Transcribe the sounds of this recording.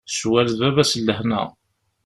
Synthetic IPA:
swælðævæsəlːəhnæ̰

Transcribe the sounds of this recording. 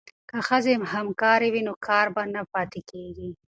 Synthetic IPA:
kəxəzemhamkɑɾewinokʰɑɾbanapɑt̪ekeɡi

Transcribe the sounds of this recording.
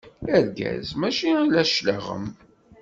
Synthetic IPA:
æɾɡæ̰zmæʃilæʃləʁə̰m

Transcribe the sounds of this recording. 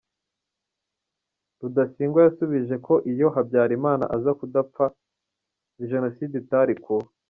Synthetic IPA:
ɾudasiːŋɡwajasuβiʒe̞kʰo̞ʔijo̞ɦabjaːɾimaːna̰ʔazakudapp͡fa | iʒe̞no̞siːditaɾiku

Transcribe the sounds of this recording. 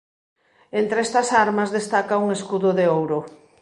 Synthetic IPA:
ent̪ɾest̪ɐsaɾmɐzðest̪akauŋeskuðʊðeowɾʊ

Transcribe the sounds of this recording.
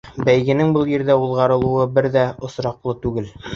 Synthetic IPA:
bæjɡɘ̆nɘŋbɤlˠjĭɾd̪æulˠʁɑɾɤ̆lˠuɤbɘɾðæŏsɾɑqlˠɤt̪ʉɡɘl

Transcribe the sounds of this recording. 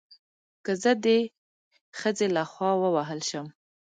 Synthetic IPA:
kəzəd̪ə | xəzelaxwɑwəwaɦəlʃəm

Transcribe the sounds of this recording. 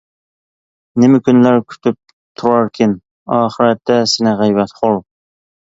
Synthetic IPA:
nɪmɪkʲynlæɾkʲʰy̥t̪ʰyp̚ | t̪ʰuɾɑɾkʲʰɪn | ɑːχəɾɛt̪ʰːɛsɪnɪʁæjbɛt̪χolˠ

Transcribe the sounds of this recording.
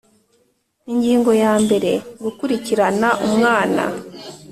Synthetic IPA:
iɲɟiːŋɡo̞jaːmbe̞ɾe̞ŋɡukuɾiciɾanaʔumŋaːna̰

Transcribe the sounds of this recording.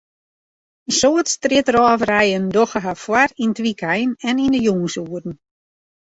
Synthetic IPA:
ənsoːətstrɪtrɔːvrɛjəndoxəɦafwarintʋikʰɛjnɛnindəjuŋəsuərn̩

